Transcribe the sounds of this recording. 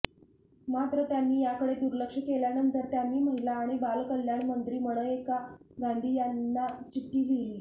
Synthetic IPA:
mat̪ɾət̪janːiːjakəɽed̪uɾləkʂəkeljanənt̪əɾt̪janːiːm̤əɦiʈlaːɽ̃ibalkəljaɳmənt̪ɾiːməɽ̃əekaɡaɳɖ̪ʱiːjanːat͡ɕiʈːiːɡʱeliː

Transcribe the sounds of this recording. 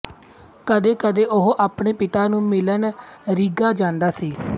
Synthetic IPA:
kəd̪eːkəd̪eːʔʊɦʔaːpɳeːpɪt̪aːnũːmɪlənɾiɡaːd͡ʒãːnd̪aːsiː

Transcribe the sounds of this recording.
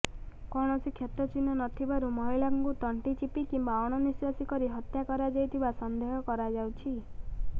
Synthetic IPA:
kɔɽ̃ɔsikʰjet̪ɾɔt͡ʃinɔnɔt̪ʰibaɾumɔɦilaŋkut̪ɔɳʈit͡ʃipikimbaɔɽ̃ɔniswasikɔɾiɦɔt̪jakɔɾad͡ʒajt̪ʰibasɔnd̪eɦɔkɔɾad͡ʒawt͡ʃʰi

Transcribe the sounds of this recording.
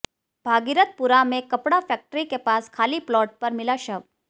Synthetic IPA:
b̥ʱaɡiɾət̪̚puɾamẽkəpɽafɛk̚ʈɾikepaskʰaːliplɔːʈ̚pəɾmɪlaʃəʋ

